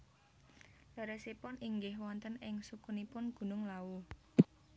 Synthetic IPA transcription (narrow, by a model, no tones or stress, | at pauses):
laɾɛsipʊniŋɡɪhwɔnt̪ənɪŋsukunipʊnɡ̥ṳnʊŋlau